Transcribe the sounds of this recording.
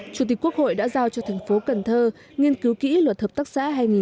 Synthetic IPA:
t͡ɕu˧˩t̪i˨˩k̚u˦˥ək̚ho̰˧˨jɗa̰ː˧˥zaː˧wt͡ɕɔ˧t̪ʰɛ˨˩ŋ̟fo˨˦kə˨˩nt̪ʰəː˧ | ŋi˧ənki˨˦wkḭ˧˥lwə˨˩t̚həː˨˩p̚t̪a˦˥k̚sa̰ː˧˥ɦaː˧jŋi˨˩

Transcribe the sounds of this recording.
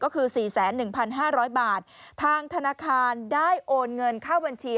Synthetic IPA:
kɔː˥˩kʰɯː˧siː˨˩sɛː˩˦nːɯ˨˩ŋpʰa˧nɦaː˥˩ɾɔː˦˥jbaː˨˩t̪̚ʰːaː˧ŋt̪ʰa˧naː˧kʰaː˧ndaː˥˩jʔoː˧nŋɤ˧nkʰaː˥˩wba˧nt͡ɕʰiː˧

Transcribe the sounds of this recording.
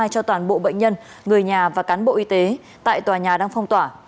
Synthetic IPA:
a˧jt͡ɕɔ˧t̪waː˧˩nɓo̰˧˨ɓə̰˧˨jŋ̟ɲə˧n | ŋɨ˨˩əjɲaː˨˩vaː˨˩kaː˨˦nɓo̰˧˨ʔi˨˦t̪e˨˦ | t̪a̰ː˧˨jt̪waː˨˩ɲaː˨˩ɗaː˧ŋfə˧wŋ͡mt̪waː˧˩

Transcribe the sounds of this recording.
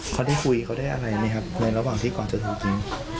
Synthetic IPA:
kʰa˧˥wdaː˥˩kʰu˧jkʰa˧˥wdaː˥˩jʔa˧ɾa˧jna˦˥kʰa˦˥p̚na˧jɾa˧waː˨˩ŋt̪ʰiː˥˩kaː˨˩nt͡ɕa˨˩t̪ʰa˧˩ki˧ŋ

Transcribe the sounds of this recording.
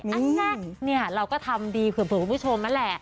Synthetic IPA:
a˧a˥˩ni˥˩ɐɾa˧wkɔː˥˩t̪ʰa˧mdiː˧pʰɯ˨˩˦pʰɯ˨˩˦kʰpʰu˥˩o˧mna˦˥lɛ˨˩ʔ

